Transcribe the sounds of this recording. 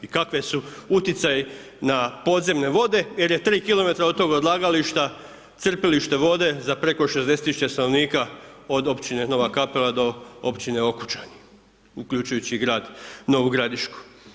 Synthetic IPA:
ikakʋesuut̪it̪saji | napo̞d̪ze̞mne̞ʋo̞d̪e̞je̞ɾjet̪ɾiːkilo̞me̞t̪ɾao̞d̪t̪o̞ːɡod̪lˠaːɡaliʃt̪a | t̪sr̩peliʃt̪e̞ʋo̞d̪e̞zapɾe̞ko̞ʃezd̪e̞set̪ːisu̥t͡ɕe̞st̪ano̞ʋniːkao̞d̪o̞pt͡ɕine̞no̞ʋakapelad̪o̞o̰pt͡ɕine̞o̞ku̥t͡ʃaɲi | ukʎʲut͡ɕujut͡ɕiɡɾaːd̪no̞ʋuɡɾad̪iʃku̥

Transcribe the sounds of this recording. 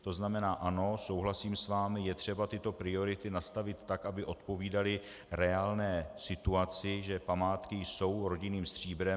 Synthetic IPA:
t̪o̞znamɛnaːʔano̞so̞wɦlasiːmsvaːmɪjɛt̪r̝̥ɛbat̪ɪt̪o̞pɾɪo̞ɾɪt̪ɪnast̪avɪt̪ːakʔabɪʔo̞t̪po̞viːdalɪ | ɾɛaːlnɛːsɪt̪uat͡sɪʒɛpamaːt̪kɪjso̞wɾo̞ɟɪniːmst̪r̝̥iːbɾɛ

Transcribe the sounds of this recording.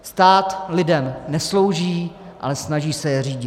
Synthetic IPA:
st̪aːt̪lɪdɛmnɛslo̞wʒiː | ʔa̰lɛsnaʒiːsɛjɛriːɟɪ

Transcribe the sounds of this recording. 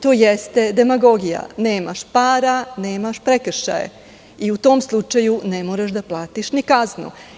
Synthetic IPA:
t̪oːjest̪e̞d̪e̞maɡo̞ɡija̰ne̞ːma̰ʃpaːɾane̞ːmaʃpɾekr̩ʃa̰jḛ | iut̪o̞ːmslˠut͡ʃajune̞moːɾaʃd̪aplˠaːt̪iʃnikaznṵ

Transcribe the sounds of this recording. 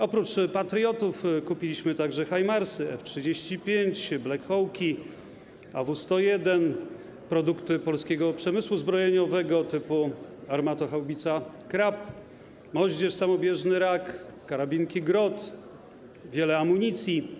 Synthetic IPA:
ɔpɾut͡ʂpat̪ɾʲjɔt̪ufkupʲilʲiɕmɘt̪aɡʐɛxajmaɾsɘɛftʂɘd͡ʑeɕt͡ɕipʲjeɲt͡ɕblɛkʰɔwkʲi | avust̪ɔjɛd̪ɛn | pɾɔd̪ukt̪ɘpɔlskʲɛɡɔpʂɛmɘswuzbɾɔjɛɲɔvɛɡɔt̪ɘpuaɾmat̪ɔxawbʲit̪sa | kɾap | mɔʑd͡ʑɛʂsamɔbʲjɛʐnɘɾakːaɾabʲiŋkʲiɡɾɔt̪ | vʲjɛlɛamuɲit̪sʲji

